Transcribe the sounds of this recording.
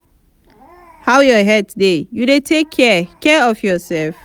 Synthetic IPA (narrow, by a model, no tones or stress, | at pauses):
hawjɔɦɛd̚tʰdejuɾetʰekʰːɛkɛɔfjɔsɛlf